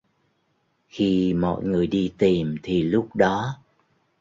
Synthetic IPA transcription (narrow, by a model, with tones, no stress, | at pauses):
xi˧mɔ̰˧˨jŋɨ˨˩əjɗi˧t̪i˨˩mt̪ʰi˨˩lʊ˦˥k͡p̚ɗɔ˨˦